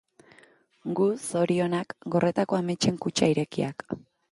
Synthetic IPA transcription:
ɡuso̞ɾio̞nakɡo̞re̞t̪akoamet͡ʃe̞ŋkut͡ʃaiɾe̞kia̰k

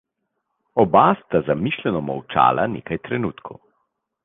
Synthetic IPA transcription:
ɔbast̪azamiːʃlʲɛnɔma̰wt͡ʃa̰ːlʔa̰nḛːkajt̪ɾɛnuːt̪kʰo̰w

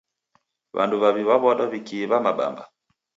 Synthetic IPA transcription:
βa̰nduβaβiβaβɔɗɔβikiβamaɓa̰mba

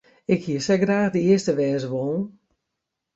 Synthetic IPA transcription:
ɪkhiəsɛɡraːxdəɪəstəʋɛːzəʋoːn̩

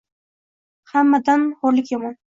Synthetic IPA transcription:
hamːad̪anhɒɾlɪkʲjamɒn

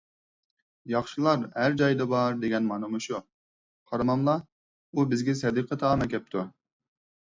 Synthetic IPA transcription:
jɑχʃilˠɑɾhæɾd͡ʒɑjd̪ɑbɑɾd̪eɡʲɛnmɑnɨmuʃu | qʰɑɾɑmɑmlˠɑ | ubɪzɡʲɛsɛd̪ɨqʰət̪ʰɑmɛkʲʰɛp̚t̪ʰu

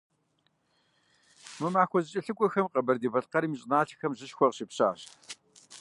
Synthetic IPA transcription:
mɨmaːxʷɔzɨt͡ʃʼɪɬɨkʷʼɔxɐmqɐbɐrdiːbɐɬqɐɾiːmiɕʼɪnaːɬʰxɐmʑɨʃxʷɔʁɕipɕa̰ːɕ

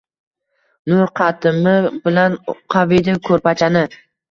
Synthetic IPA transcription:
nʊɾqʰɑt̪ʰɪmɪbɪlanqʰavid̪ɪkʰɵɾpat͡ʃʰanɪ

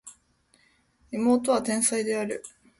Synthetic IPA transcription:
imo̞ːt̪o̞βat̪ẽ̞ɰ̃said̪e̞aɾɯ̟̰

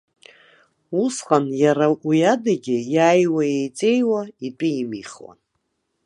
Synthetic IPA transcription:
usqʼanjaɾaʔujadaɡʲɪjaːjwajejt͡sʼe̞jwaitʼiimiχwa̰n

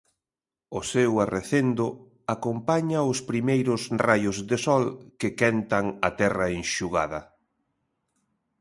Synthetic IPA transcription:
ʊsewareθend̪ʊ | akompaɲaʊspɾimejɾʊsrajʊzðesɔlkɪkɛnt̪ɐŋɐt̪ɛrɐeŋʃuɣa̰ðɐ

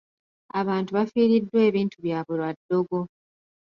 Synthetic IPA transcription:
aβaːntuβafiːɾidːwe̞ːβiːntuβjaːβulwadːo̞ɡo̞

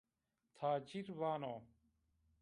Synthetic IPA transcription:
t̪ʰaːt͡ɕiɾʋaːnoː

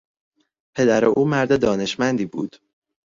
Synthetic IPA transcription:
pʰe̞d̪æɾeʔuːmæɾd̪ed̪ɒːne̞ʃmænd̪iːbṵːd̪̥

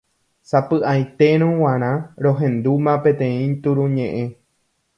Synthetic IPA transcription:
sapɨʔajt̪e̞ɾ̃õw̃ãɾ̃ãɾõ̞ɦẽ̞nd̪umãpe̞t̪ẽ̞ĩt̪uɾũɲẽʔẽ̞

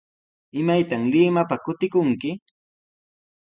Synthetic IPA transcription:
ɪmajt̪aŋlɪmapakʊt̪ɪkʊŋkɪ

